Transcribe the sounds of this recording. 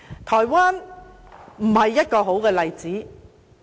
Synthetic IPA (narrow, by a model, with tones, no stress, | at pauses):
t̪ʰɔː˨˩jwaː˥n | m̩˨˩hɐ˨jːɐ˥t̚kɔː˧ɦo˨˥wkɛː˧lɐ˨jt͡siː˨˥